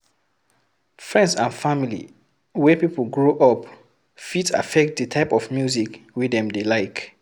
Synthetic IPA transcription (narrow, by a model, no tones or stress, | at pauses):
fɹɛ̃ndsãnfamilḭ | wɛpipl̩ɡɹoʔɔp | fita̰fɛk̚t̚dətʰaɪpɔfmjuzikwidɛ̃mdelaɪk